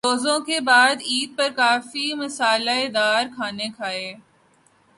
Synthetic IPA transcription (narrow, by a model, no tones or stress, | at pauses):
oːzõkebaːd̪iːd̪̚pɐɾkaːfimɐsaːlaed̪aːɾkʰaːnekʰaːeː